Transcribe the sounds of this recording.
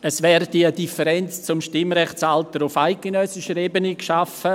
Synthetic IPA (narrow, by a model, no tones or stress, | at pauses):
əsvɛːɾdiədifəɾɛnt͡st͡sʊmʃtɪmɾɛχt͡saltəɾʊfaɪk̚ɡ̥enœsɪʃəɾeːbənikʃafə